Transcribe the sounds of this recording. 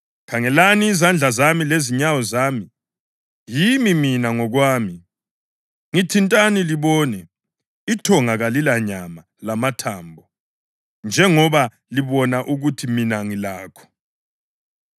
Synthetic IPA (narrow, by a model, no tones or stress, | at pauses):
kʰaŋɛlaniːzand͡ɮʱazamileziɲawɔzaːmi | jimiminaŋɔɣwaːmi | ŋitʰintʼaniliβɔːnɛ | itʰɔŋaɣalilaɲama | lamatʰaːmbʱɔ | nd͡ʒʱɛŋɔβa | liβɔnaʔuɣutʰiminaŋilaːkʰɔ̥